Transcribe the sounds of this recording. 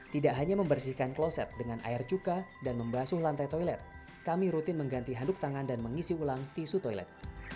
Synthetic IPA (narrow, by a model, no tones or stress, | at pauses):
t̪idaʔɦaɲaməmbərsihkanklosɛt̪̚dəŋanʔa̰ɪrt͡ʃukadanməmbasʊhlant̪ajt̪ɔilɛt̪̚ | kamiɾut̪ɪnməŋɡant̪iɦandʊk̚t̪aŋandanməŋisiulaŋt̪isut̪ɔilɛ̰t̪̚